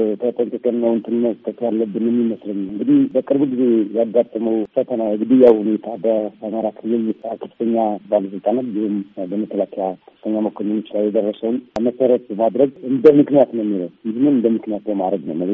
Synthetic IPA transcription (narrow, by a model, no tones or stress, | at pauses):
t̪ʰət̪ʼənt̪ʰəkʼənːəwɨnt̪ʰɨnːət̪k̪ʰʼːək̪ʰːljalːəbːɨnjɛmːiməsləɲːawɨŋɡɨd̪ihbəkʼɨɾbuɡize̞jaɡat̪ʼːəməwfət̪ʰənaɨŋɡɨd̪ijawhune̞t̪ʰabəaməɾakʰɨlːɨlkʰə̥fɨt̪ʰəɲːabaləsɨlt̪ʼanat̪bihumbəmək̪ʰːəlakʰjakʰə̥fɨt̪ʰəɲːaməkʰonunɨt͡ʃʼːlajɛd̪ərːəsəwnməsəɾət̪mad̪ɾəɡɨnd̪əmɨknijat̪nəwmːiləhjɪhnɨnɨnd̪əmːɨknijat̪bəmad̪ɾəɡnə̰wməɡ